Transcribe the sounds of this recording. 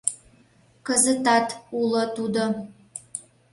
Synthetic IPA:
kəzət̪ɑt̪ulət̪ud̪o

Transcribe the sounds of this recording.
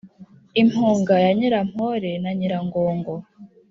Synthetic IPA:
im̥huːŋɡajaɲiɾam̥hoɾenaɲiɾaŋɡoːŋɡo

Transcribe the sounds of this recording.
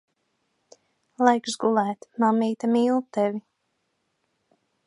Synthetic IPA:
lˠajksɡulˠæːt̪mamiːt̪amiːlˠt̪ɛvi

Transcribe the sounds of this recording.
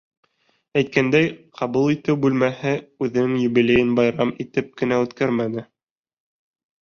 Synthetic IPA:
æjt̪̚kænd̪æjqʰɑβulˠit̪ɘwbʉlmæhɘʉðɘ̆nɘŋjɵ̆bilʲejɘnbɑjɾɑmit̪ɘp̚kɘ̆næʉt̪kæɾmænɘ

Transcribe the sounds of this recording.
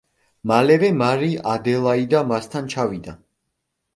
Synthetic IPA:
malɛvɛmaɾiʔad̪ɛlˠaid̪amast̪ʰant͡ʃʰavid̪a

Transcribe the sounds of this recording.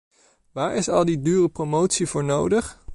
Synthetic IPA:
ʋaːɹɪsɑlˠdidyːrəpromowtsivʊːɹnowdəχ

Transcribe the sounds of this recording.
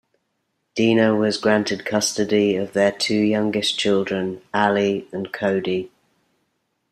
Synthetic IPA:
d̥iːnəwɒzɡɹãntʰɪd̚kʰʌstədiəvðətʰʉːjʌ̃ŋɡɪst͡ʃʰɪlˠdɹə̃naliə̃nkʰəʊdi

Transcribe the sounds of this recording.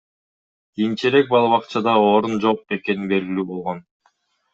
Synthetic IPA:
ɡ̥ijint͡ʃeɾe̞k̚bɑlˠɑβɑqt͡ʃɑd̪ɑo̞ːɾund͡ʒo̞q̚e̞ke̞nibe̞lɡilyːbo̞lˠʁo̞n

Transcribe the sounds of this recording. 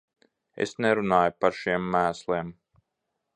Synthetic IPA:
ḛsnɛɾunaːjpaɾʃiɛmːæːslˠim

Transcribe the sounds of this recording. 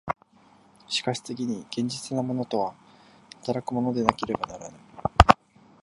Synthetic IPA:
ɕi̥kaɕi̥t͡seɡʲiɲ̟iɡ̥ẽ̞ɲ̟d͡ʑit͡sɨnamo̞no̞t̪o̞βahḁt̪aɾakɯ̟mo̞no̞d̪e̞nake̞ɾe̞banaɾanai

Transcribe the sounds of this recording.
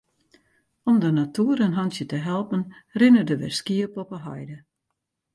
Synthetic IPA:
ɔmdənatʰuəɾənɦɑnsjətəɦɛlˠpənrɪnədəʋɛ̰rskiəpɔpəɦɔjdə

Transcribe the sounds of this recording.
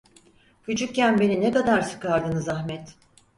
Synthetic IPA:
kʰut͡ʃʰuk̚cænbe̞ninekad̪aɾsɯ̥kʰaɾd̪ɯnɯzahmɛt̪

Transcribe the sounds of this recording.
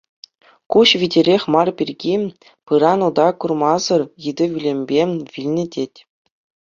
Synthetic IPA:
kuɕʋʲidʲeɾʲexʲmɑrpʲirʲɡʲi | pɯɾɑnud̪ɑkurmɑzɤ̆rjɯd̪ʲɘ̆ʋʲilʲemʲbʲeʋʲilʲnʲɘ̆dʲetʲ

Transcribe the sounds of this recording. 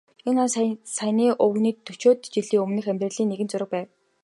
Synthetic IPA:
enansæniːʔɵwniːt̪ʰːɵt͡ɕoːt̪t͡ɕiɮiːɵmnɘ̆xæmʲt̪rɘ̆ɮiːnːeɣɘ̆nt͡sʊɾə̆k̚pæːw

